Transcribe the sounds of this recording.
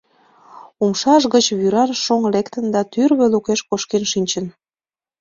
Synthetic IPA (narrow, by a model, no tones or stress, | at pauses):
umʃɑʃɣət͡ɕβyɾɑnʃoŋlekt̪ənd̪ɑt̪yrβelukeʃkoʃkenʃinʲt͡ɕən